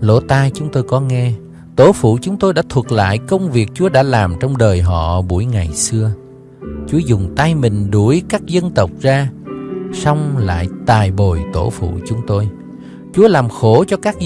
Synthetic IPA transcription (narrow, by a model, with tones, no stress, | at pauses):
lo˧˥t̪aː˧jt͡ɕʊ˨˦ŋ͡mt̪o˧jkɔ˨˦ŋɛ˧ | t̪o˧˥˦fṵ˧˨t͡ɕʊ˨˦ŋ͡mt̪o˧jɗa̰ː˧˥t̪ʰwə˨˩t̚k̚la̰ː˧˨jkə˧wŋ͡mvi˨˩ək̚t͡ɕu˨˦əɗa̰ː˧˥laː˨˩mt͡ɕɔ˧wŋ͡mɗəː˨˩jɦɔ̰˧˨ɓu˧˩əjŋa˨˩jsɨ˧ə | t͡ɕu˨˦əzʊ˨˩ŋ͡mt̪a˧jmï˨˩ŋ̟ɗu˧˩əjkaː˦˥k̚zə˧nt̪ə˨˩wk͡p̚zaː˧ | sɔ˧wŋ͡mla̰ː˧˨jt̪aː˨˩jɓo˨˩jt̪o̰˧˩fṵ˧˨t͡ɕʊ˨˦ŋ͡mt̪o˧j | t͡ɕu˨˦əlaː˨˩mxo˧˩t͡ɕɔ˧kaː˦˥k̚